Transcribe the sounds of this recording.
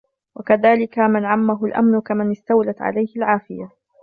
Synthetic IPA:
wakaðaːlɪkamɪnʕamːaɦʊlʔa̰mnʊkamanɪst̪awlat̪ʕa̰lajhɪlʕaːfɪja

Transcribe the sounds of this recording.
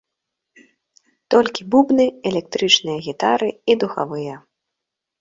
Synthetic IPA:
t̪ɔlʲkʲibubnɨɛlʲɛkt̪ɾɨt͡ʂnɨjɐɣʲit̪aɾɨid̪uxa̰vɨjɐ

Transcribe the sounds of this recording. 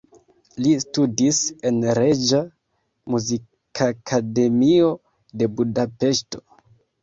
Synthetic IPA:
listudise̞nɾe̞d͡ʒa | muzi | kʰakʰade̞mio̞ | de̞budape̞ʃto̞̥

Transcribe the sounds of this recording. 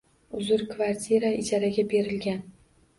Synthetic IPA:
ʊzʊɾkvaɾt̪ʰʲiɾaɪd͡ʒaɾaɡʲabe̞ɾɪlɡʲan

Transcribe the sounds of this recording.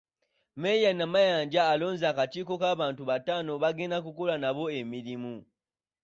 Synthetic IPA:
mɛjanamajand͡ʒaːlɔnzakatikɔkaβantuβatanɔβaɡɛnak̬ukɔlanaβɔemilimu

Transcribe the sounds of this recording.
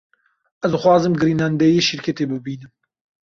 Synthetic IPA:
ɛzd̪ɨxwɑːzɨmɡɨɾiːnand̪ɛjeʃiɾkʰet̪eːbɨbiːnɨm

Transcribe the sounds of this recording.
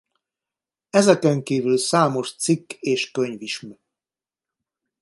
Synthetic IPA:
ɛzɛkɛŋkiːvylsaːmo̞ʃt̪sikːeːʃkøɲviʃm

